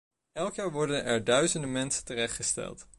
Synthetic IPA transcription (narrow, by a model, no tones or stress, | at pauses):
ɛlˠkjaːɹʋɔɹdənɛɹdœɥzəndəmɛnsə̥ntərɛχtχəstɛ̰lˠt